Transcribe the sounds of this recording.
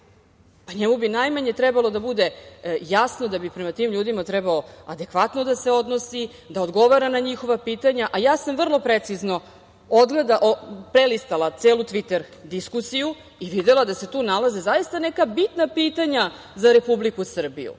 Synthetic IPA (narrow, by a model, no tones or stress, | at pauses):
paɲemubinajmaɲe̞t̪ɾɛbalo̞d̪abud̪e̞jasnod̪abipɾemat̪iːmʎuːd̪imat̪ɾɛbaoad̪e̞kʋat̪nod̪aseo̞d̪no̞si | d̪aod̪ɡo̞ʋaɾanaɲixo̞ʋapiːt̪aɲaʔajaːsamvr̩lˠo̞pɾet̪sizno̞ | od̪ɡled̪aʔopɾelist̪alˠat̪seːlut̪ʋit̪eɾ | d̪iskusiju | iʋid̪elad̪ase̞t̪uːnalazezajist̪anekabit̪napiːt̪aɲa | zaɾe̞publikusr̩bḭjṵ